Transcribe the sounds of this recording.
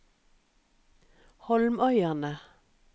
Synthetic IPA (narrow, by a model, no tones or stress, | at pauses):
hɔlmœʏæʁnə